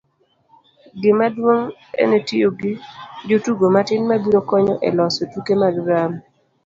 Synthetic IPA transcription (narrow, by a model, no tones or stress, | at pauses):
ɡɪmadwoŋḛnetioɡɪd͡ʒotuɡomatɪnmabiɾokɔɲɔʔɛ̰lɔsotukemalɾam